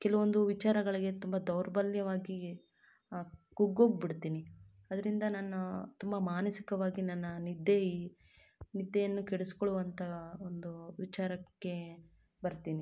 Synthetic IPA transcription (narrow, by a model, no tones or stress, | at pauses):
kɛlɐʋo̞nd̪uʋit͡ʃaːɾɐɡɐɭiɡe̞t̪umbɐd̪ɐwɾɐbɐljɐʋaːɡi | kuɡoːɡbiɽt̪iːni | ɐd̪ɐɾind̪ɐnaːnːut̪umbɐmaːnɐsi̥kɐʋaːɡinɐnːɐnid̪ei | nid̪ːejɐnːukeɽuskoɭuʋɐnt̪ʰɐond̪uʋit͡ʃaːɾɐkːe̞ | bɐɾt̪iːni